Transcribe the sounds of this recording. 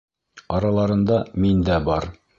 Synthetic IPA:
ɑɾɑlˠɑɾɤ̆nd̪ɑmind̪æbɒɾ

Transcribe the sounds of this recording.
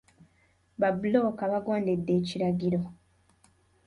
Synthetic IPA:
βabulokaβaɡwaːndedːe̞ːciɾaɡiɾo̞

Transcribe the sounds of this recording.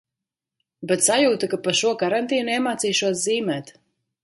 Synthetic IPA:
bɛt̪sajuːt̪akapaʃuɔkaɾant̪iːnɛmaːt̪siːʃuɔsziːmɛːt̪

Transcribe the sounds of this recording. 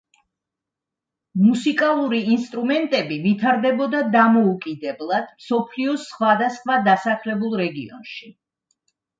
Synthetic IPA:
musikʼalˠuɾiinst̪ʼɾumɛnt̪ʼɛbivit̪ʰaɾd̪ɛbɔd̪ad̪amɔukʼid̪ɛblˠad̪̥msɔpʰliɔsχwad̪asχwad̪asaχlɛbulˠɾɛɡḭɔ̰nʃi

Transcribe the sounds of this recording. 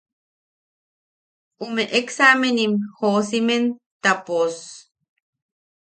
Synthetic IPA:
umeʔeksamenimhosimen | t̪apos

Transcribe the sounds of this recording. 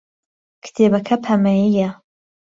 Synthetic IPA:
kʰɨ̥t̪ʰeːbɐkʰɐpʰɐmɐjijɐ

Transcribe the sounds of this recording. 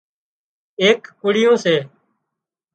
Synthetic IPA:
eːkkʊɽɪjõːseː

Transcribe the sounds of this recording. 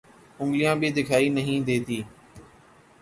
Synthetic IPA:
ʊ̃ŋɡlijãːbɪd̪ɪkʰaːiːnəɦĩːd̪eːt̪iː

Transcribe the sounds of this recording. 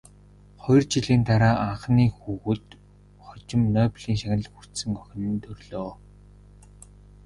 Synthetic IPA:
χɔjɞ̆rt͡ɕiɮiːnt̪aɾaːʔaɴχniːxuːɣɘ̆t̪ | χɔt͡ɕɪ̆mnœːpɮiːŋʃaxʲɪ̆ɮxur̥t̪sɘ̆ŋɔxʲɪ̆nɘ̆nt̪ɵrɮoː

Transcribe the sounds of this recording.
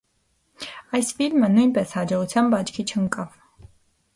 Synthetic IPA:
ɑjsfilmənujnpɛshɑd͡ʒɔʁut͡sʰjɑnbɑt͡ʃʰkʰit͡ʃʰəŋkʼɑv̥

